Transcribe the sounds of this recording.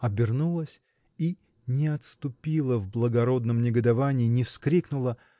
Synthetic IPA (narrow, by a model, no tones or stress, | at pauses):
ɐbʲɪrnulˠəsʲ | i | nʲɪɐt̪st̪ʊpʲilˠəvblˠəɡɐɾo̞d̪nəmnʲɪɡəd̪ɐvanʲɪːnʲɪfskɾʲiknʊlˠə